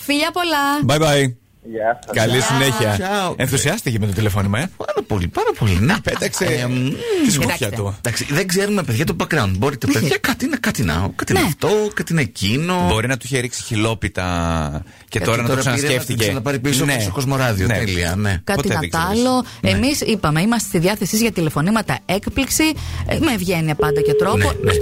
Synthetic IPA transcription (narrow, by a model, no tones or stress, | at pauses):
fiʎɐpolɐbɐjbɐj | kɐlisineçiɐɐenθussiɐst̪icemet̪ot̪ilefonimepɐɾɐpo̞lipɐɾɐpo̞linepet̪ɐkse | iskot̪ɐkçɐt̪ud̪ɐksiðeɡze̞ɾumepeðʝɐt̪obɐkɾɐwnt̪̚bo̞ɾit̪epeðʝɐkɐt̪inɐkɐt̪inɐ̰kɐt̪inft̪o̞kɐt̪inecino̞bo̞ɾinɐt̪uiçeɾiksi̥çilo̞pit̪ɐ̰ | ceoɾɐnɐt̪oɐsɐnɾseɐft̪isenɐpɐɾipisost̪oko̞zmo̞ɾɐðiot̪eliɐ̰ne̞kɐt̪iɐt̪ɐloemisipɐmeimɐst̪est̪iðiɐθe̞sizʝɐt̪ilefo̞nimɐt̪ɐekpliksimevʝe̞niɐpɐnd̪ɐket̪ɾonene